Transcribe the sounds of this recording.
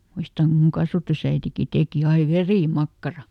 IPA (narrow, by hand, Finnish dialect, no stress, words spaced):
muistɑŋ kum muŋ kɑsʋɑtusæitiki teˑki ɑi ʋeriˑmɑkːɑrɑ